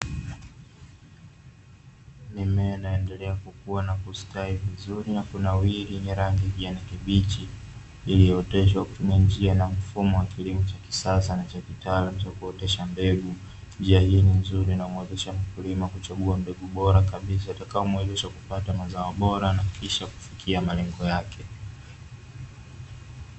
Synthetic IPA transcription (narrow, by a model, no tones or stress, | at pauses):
nimɛnaɛndɛlɛakukuanakuskaivizuɾinakunawiɾiniɾaŋɡiviʄanakiɓit͡ʃiː | liɔtɛʃ̬waku̥tumiand͡ʒianam̩fumɔwakilimɔt͡ʃaki̥sasanat͡ʃakitaːlam̩t͡ʃakuɔtɛʃambɛɡu | nd͡ʒiahiːninzuɾinamwɛzɛʃam̩kulimakut͡ʃaɠuambɛɠuɓɔɾakaɓis̬aatakaɔmwɛzɛʃakupatamazaɔɓɔɾanakʰiʃaku̥fikʰiamalɛŋɡɔjakʰɛ